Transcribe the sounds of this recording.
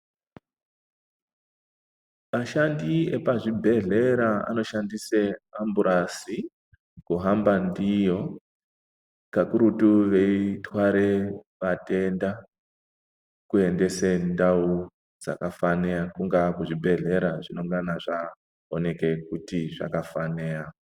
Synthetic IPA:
maʃandiepaʐibʱe̞ɮe̞ɾaa̰no̞ʃandiseambuɾʔasi | kuɦambandijo̞ | kakuɾutuʋe̞itwaɾe | ʋate̞nda | kue̞nde̞sendau | d͡za̰kafaneakuŋɡakuʐibʱe̞ɮe̞ɾaʐino̞ŋɡanaʐa | one̞ke̞kutiʐa̰kafaneːja

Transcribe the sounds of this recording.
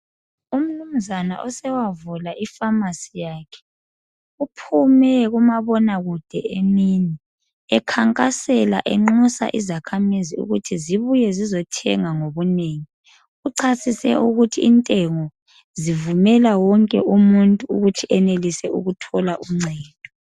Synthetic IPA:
um̩num̩zana̰ʔɔsɛwavulaʔifamasijaːkʰɛ̥ | upʰumɛɣumaβɔnaɣud̥ʱɛenini | ɛkʰaŋkʼasɛla̰ʔɛŋ͡ǁusa̰ʔizakʰamiziṵɣutʰiziβujɛzizɔtʰɛ̰ŋaŋoβuneŋi | uǀʰasisɛ̰ʔuɣutʰiːntʼɛŋɔ | zivumɛlawɔŋkʼɛʔumuntʼuːɣutʰiʔɛnelisɛṵɣutʰɔlaʔuŋ͡ǀɛːd̥ʱɔ

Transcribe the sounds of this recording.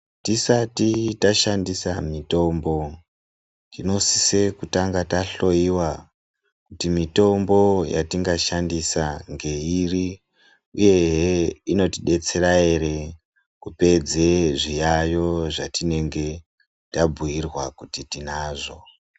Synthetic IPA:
tisatitaʃandisamito̞mbo̞ | tino̞sise̞kutaŋɡataɬo̞iwa | kutimito̞mbo̞ja̰tiŋɡaʃandisaŋɡe̞iri | uje̞ɦino̞tiɗe̞t͡se̞ɾae̞ɾe̞ | kupe̞d͡zeʐijajo̞ʐatine̞ŋɡe̞ | tabuirwakutitinaːʐo̞

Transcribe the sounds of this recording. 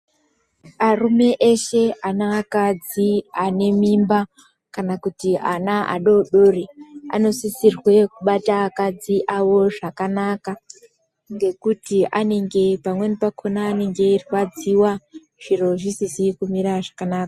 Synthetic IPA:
arume̞ʔeʃe̞anaːkad͡ziane̞mimba | kanakutianaʔa̰ɗo̞ɗoːria̰no̞sisirwe̞kuɓataːkad͡ziʔawo̞ʐakanaka | ŋɡe̞kutiʔane̞ŋɡe̞pamwe̞nipakʰonaːne̞ŋɡe̞riwad͡ziwa | ʐ̥iro̞ʐisisikumiɾaʐakanaːkḁ

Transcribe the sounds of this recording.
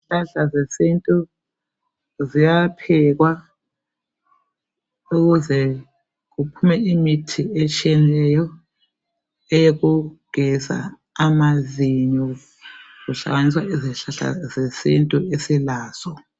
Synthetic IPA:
ɬaɬazesintʼu | zijapʰɛɣwa | uɣuzɛ | ɣupʰumɛimitʰiɛt͡ʃʼiɛnilɛjɔ | ɛjeɣuɡ̥ʱɛsa̰ | amaziɲɔ | ɣuɬa̰ɣaniswaʔiziɬaɬa̰zesintʼuesilaːz̥ɔ

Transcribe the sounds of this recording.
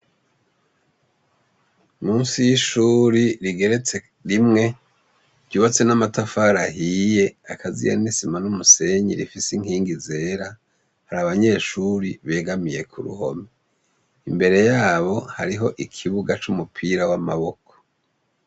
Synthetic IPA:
muːnsijiʃuːɾiɾiɡe̞ɾet͡se | ɾimŋe̞ | ɾɟuːβat͡se̞namatafaɾaɦiːje̞akʰazḭja̰nisimanumuse̞ɲḭɾifisiŋhiːŋɡize̞ːɾa | haɾaβaɲe̞ːʃuɾiβe̞ːɡamije̞kʰṵɾṵho̞̰me | imbe̞ɾe̞jaːβo̞haɾiɦo̞ʔikʰiβuɡat͡ʃumupʰiːɾawamaβo̞ko̥

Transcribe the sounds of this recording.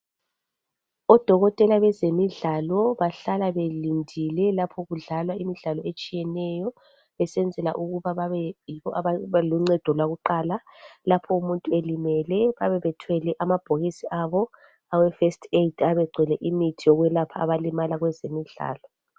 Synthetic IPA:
ɔd̥ʱɔɣɔtʼɛlaβɛzemiɮalɔβaɬalaβelindʱilɛlapʰɔɣuɮalwaimiɮalɔet͡ʃʼijɛnɛjɔ | βɛsɛnd͡zʱɛla̰ʔuɣuβaβaβɛjiβɔʔaβaβluŋ͡ǀɛd̥ʱɔlwaɣuǃaːlalapʰɔumuntʼuelimɛlɛβaβɛβɛtʰwɛlɛʔamab̥ʱoɣisiʔaβɔ | awɛfestʰʼetʰaβɛɡ͡ǀʱwɛlɛʔimitʰijɔɣwɛlapʰaːβalimalaɣwɛzemiɮa̰ːlɔ

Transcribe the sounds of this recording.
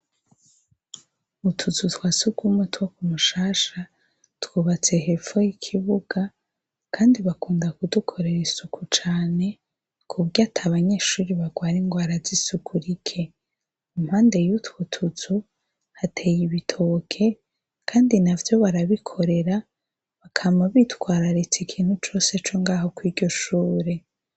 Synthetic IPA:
utʰut͡sutwaːsukumutwokumuʃaːʃa | twuːβat͡se̞ɦe̞fo̞jikʰiβuɡ̥a | kʰaːndiβakuːndakudukʰo̞ɾe̞ɾisukut͡ʃaːne̞ | kʰuβɟatʰaβaɲe̞ːʃuːɾiβaɡwaːɾiŋɡwaːɾazisukʰuɾikʰe̞ | um̥haːnde̞jutwutʰuzu | hatʰe̞ːjiβitʰo̞kʰe̞ | kʰaːndinavjo̞βaɾaβikʰo̞ɾe̞ɾa | βakʰamaβitwaːɾaɾit͡sikʰiːn̥hut͡ʃo̞ːse̞t͡ʃoŋɡaːɦo̞kwiːɾɟo̞ʃuːɾe̞

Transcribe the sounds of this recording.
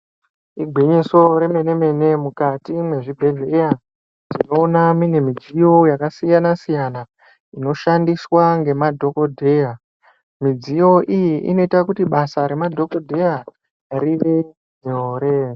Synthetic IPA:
iɡʱiɲiso̞ɾe̞me̞ne̞me̞ne̞mukatimwe̞ʐibʱe̞ɮeeja | zino̞ːnaminemid͡zijo̞jakasijanasijana | ino̞ʃandiswaŋɡe̞madʱo̞ko̞dʱe̞ja | mid͡zijo̞ʔijiʔḭno̞itakutiɓasaɾe̞madʱo̞ko̞dʱe̞ja | ɾiʋe̞ | neoɾe

